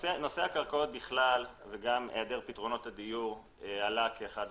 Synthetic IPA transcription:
seno̞se̞hakaʁkaot̪̚biχlalveɡamed̪eʁpitʁo̞no̞tad̪ijuʁ | alakʰeːχad

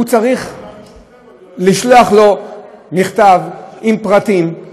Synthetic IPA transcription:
ut͡saʁiχ | liʃloaχlomiχt̪avimpʁat̪im

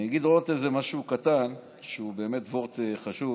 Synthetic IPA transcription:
naɡid̪ʁootezemaʃukat̪an | ʃeube̞ːmetvoʁt̪eχaʃu

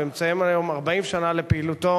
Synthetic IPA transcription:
imt͡sajemajo̞maʁbaimʃanale̞peiːluto̞

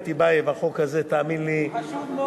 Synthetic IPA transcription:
t̪ibajevaχokhazet̪aːminli

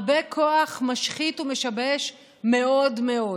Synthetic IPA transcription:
bekʰoaχmaʃχitumeʃabeʃ | me̞o̞dmeo̞

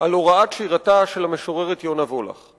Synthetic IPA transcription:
aloʁaatʃiʁataʃe̞lame̞ʃoʁeʁet̪jonavola̰χ

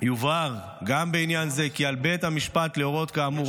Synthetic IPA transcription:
juvaʁ | ɡambeinjanze̞kialbet̪hamiʃpat̪leo̞ʁo̞t̪kaːmu

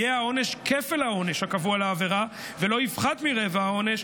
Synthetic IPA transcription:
eao̞ne̞ʃkefelhao̞ne̞ʃhakavualaːveʁa | velo̞ivχat̪miʁevahao̞ne̞ʃ

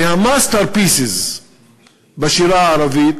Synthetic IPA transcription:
hamast̪əɾpiːsɪz | baʃiɾaɾavi

